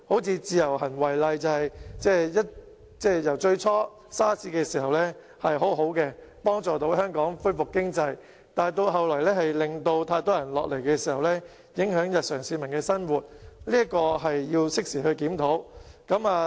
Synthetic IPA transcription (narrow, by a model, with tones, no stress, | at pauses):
ho˨˥wt͡sʰiː˧t͡siː˧jɐ˨˩whɐ˨˩nwɐ˨˩jlɐ˨jt͡sɐ˨˧whɐ˨jt͡sɛː˥˩jɐ˥t̚ | t͡sɛː˥jɐ˨˩wt͡ʃɵ˧ɥt͡sʰɔː˥ | saː˥t͡sʰiː˧˥kɛː˧siː˨˩hɐ˨wlɛː˥ | hɐ˨jɦo˨˥wɦo˨˥wkɛː˧pɔː˥ŋt͡sɔː˨˩t̪o˨˥wɦœː˥ŋkɔː˨˥ŋfɵ˥jfʊ˨kːɪ˥ŋt͡sɐ˧j | t̪aː˨jt̪o˧wɦɐ˨wlɔː˨˩jlɛː˥hɐ˨jlɪ˨ŋt̪o˧wt̪ʰaː˧jt̪ɔː˥jɐ˨˩nlɔ̰ː˨k̚le˨˩jkɛː˧siː˨˩hɐ˨wlɛː˥ | jɪ˨˥ŋhœː˨˥ŋjɐ˨t̚sœː˨˩ŋsiː˧mɐ˨˩nkɛː˧sɐ˥nwuː˨˩t̚liː˥ɐ˥kɔː˧ɦɐ˨jːiː˧wsɪ˥k̚siː˨˩hɵ˧ɥkiː˨˥mt̪ʰo˨˥wkɐ˨˥maː˨˧